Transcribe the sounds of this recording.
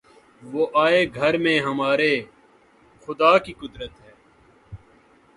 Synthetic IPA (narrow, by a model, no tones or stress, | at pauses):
ʋoːʔaːeɡʱɐɾmẽɦɐmaːɾe | xʊd̪aːkiːkʊd̪ɾət̪ɦɛː